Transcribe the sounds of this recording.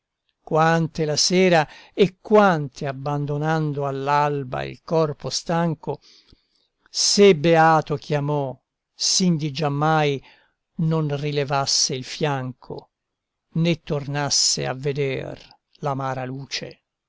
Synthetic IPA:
kwant̪elasɛːɾaekːwant̪ʰeabːand̪onand̪oalːalba̰ḭlkɔrpost̪aŋko | sebeaːt̪okjamɔ | sind̪id͡ʒamːaj | nonrilevasːeilfjaŋkʰo̰ | net̪ːornasːḛa̰vːed̪ɛ̰r | lamaːɾaluːt͡ʃḛ

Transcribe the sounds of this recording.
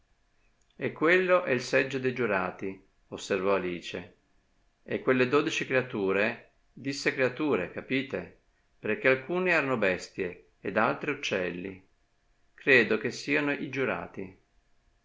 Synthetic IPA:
ekːwelːoʔɛilsɛd͡ʒːod̪ejd͡ʒuɾaːt̪i | osːervɔaliːt͡ʃe | ekːwelːed̪oːd̪it͡ʃikɾeat̪uːɾe | d̪isːekɾeat̪uːɾekapiːt̪e | peɾk̟ːealkuːneɛːɾanobɛst̪jeː | d̪alt̪ɾeut͡ʃːɛlːḭ | kɾeːd̪ok̟esːiːanoʔid͡ʒuɾa̰ːt̪i

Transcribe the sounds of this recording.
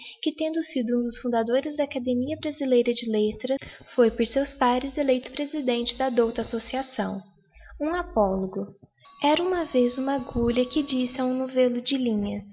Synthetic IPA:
kɪt̪ẽnd̪ʊsid̪ʊũd̪ʊsfũd̪ad̪oɾɪzd̪ɐakad̪emiɐbɾazilejɾɐd͡ʒɪlet̪ɾɐfojpoɾsewspaɾɪzelejt̪ʊ̥pɾezid̪ẽnt͡ʃɪd̪ɐd̪owt̪ɐasosiasɐ̃w̃ | ũapɔloɡʊ | ɛɾɐũmɐvezũmaɡuʎɐkɪd͡ʒisɪaũnovelʊd͡ʒɪlĩɲɐ

